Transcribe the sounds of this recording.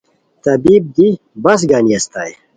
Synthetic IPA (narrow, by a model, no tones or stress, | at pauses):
t̪ɐbib̚d̪i | bɐs̬ɡaːniɐst̪aːj